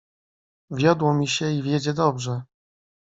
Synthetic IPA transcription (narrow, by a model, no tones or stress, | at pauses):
vʲjɔd̪wɔmʲiɕɛivʲjɛd͡ʑɛd̪ɔbʐɛ